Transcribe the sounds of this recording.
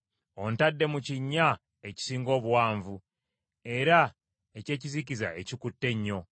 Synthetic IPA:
o̞ntadːe̞muciɲːa | e̞ci̥siːŋɡo̞ːβuwaːɱvu | e̞ɾa | e̞ce̞ːciziciza̰e̞cikutːe̞ɲːo̞

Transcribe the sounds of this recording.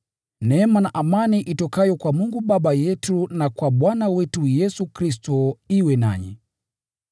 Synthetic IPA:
nɛmanaʔamaniʔitɔkajɔkwamuŋɡuɓaɓajɛtunakwaɓwanawɛtujɛsukɾistɔiwɛna̰ɲɛ̰

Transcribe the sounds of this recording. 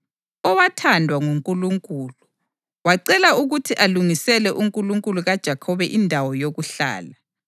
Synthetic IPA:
ɔwatʰandʱwaŋuŋkʼuluŋkʼuːlu | waǀɛlauɣutʰiʔaluŋisɛlɛʔuŋkʼuluŋkʼuluɣad̥ʒ̥ʱakʰɔβɛʔindʱawɔjoɣuɬa̰ːla

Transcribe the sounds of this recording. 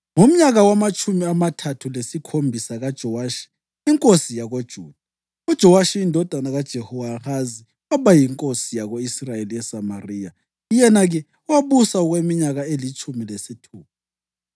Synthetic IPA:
ŋom̩ɲaɣawamat͡ʃʰʼumiamatʰatʰulesikʰombʱisaɣad̥ʒ̥ʱɔwaːʃi̥ | iŋkʼosijaɣod̥ʒ̥ʱuːd̥ʱa | ud̥ʒ̥ʱɔwaʃiindʱɔd̥ʱanaɣad̥ʒ̥ʱehuwaxazi | waβajiŋkʼosijaɣoisrajeliɛsamariːja | ijɛnaɣɛ | waβusauɣwemiɲaɣaelit͡ʃʰʼumilesitʰuːβa

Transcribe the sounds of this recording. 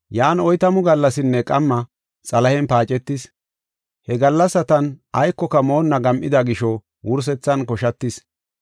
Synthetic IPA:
jaːnɔjt̪ɐmʊɡɐlːɐsɪnːɛkʼɐmːɐ | t͡sʼɐlɐhɛnpaːt͡ʃʼɛt̪ːɪs | hɛɡɐlːɐsːɐt̪ɐnʔɐjkːɔkɐmo̞ːnːɐɡɐmʔɪd̪ɐɡɪʃɔ | wʊɾs̬ɛt͡sːɐnkɔʃɐt̪ːɪs

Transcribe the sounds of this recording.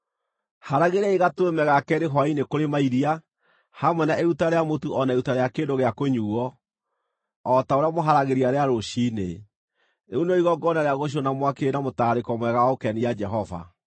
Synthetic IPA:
haɾaɣeɾaiɣatwemɛɣakɛɾeɦwainekoɾemaiɾia | hamwɛnaʔeutaɾeamotuʔɔnaeutaɾeakendoɣeakoɲuɔ | taoɾeamoɦaɾaɣeɾiaɾeaɾoɕinḛ | neunɔiɣɔɡɔnaɾeaɣoɕ̬onamwakeenamotaɾekɔmwɛɣawaokɛnijad͡ʒɛɦɔva̰

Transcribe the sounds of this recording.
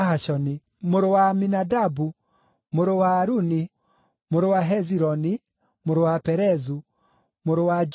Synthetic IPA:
haʃɔni | moɾowaminadabu | moɾowaːɾuni | moɾowaɦɛziɾɔni | moɾowapɛɾɛzu | moɾowad͡ʒ

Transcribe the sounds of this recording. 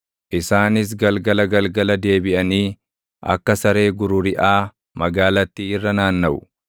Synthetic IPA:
ʔɪsaːnɪs̬ɡɐlɡɐlɐɡɐlɡɐlɐd̪e̞ːbɪʔɐniː | ʔɐ̰kːɐsɐɾe̞ːɡʊɾʊɾɪʔaː | mɐɡaːlɐt̪ːiɪrːɐnaːnːɐʔʊ

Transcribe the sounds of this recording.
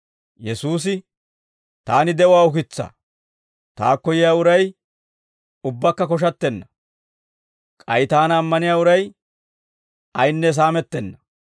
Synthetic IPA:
jɛsuːs̬ɪ | t̪aːnɪd̪ɛwaːʊkɪt͡sːa̰ː | t̪a̰ːkːɔjɪjaːʊɾɐj | ʊbːɐkːɐkɔʃ̬ɐt̪ːɛnːɐ | kʼɐjt̪aːnɐːmːɐnɪjaːʊɾɐj | ɐjnːɛs̬aːmɛt̪ːɛnːɐ̥

